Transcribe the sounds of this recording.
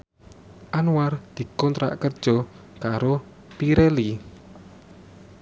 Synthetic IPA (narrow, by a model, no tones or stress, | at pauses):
ʔanuward̪̥i̤kɔnt̪ɾa̰ʔkərd̥ʒ̥ɔ̤ | kaɾo | piɾɛli